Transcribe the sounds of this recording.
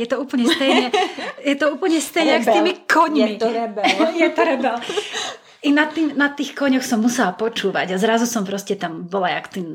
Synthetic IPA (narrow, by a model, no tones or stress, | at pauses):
jɛt̪ɔuːpl̩ɲɛst̪ɛjɲɛjɛt̪ɔuːpl̩ɲɛst̪ɛjɲɛakst̪iːmikʰɔɲmiɾɛbɛjɛt̪ɔɾɛbɛl | inat̪ːiːmnat̪ːiːxkɔɲɔxsɔmːusɛlapɔt͡ʃuːʋa̰ɟazɾazusɔmpɾɔscɛt̪ambɔlajakt̪iːm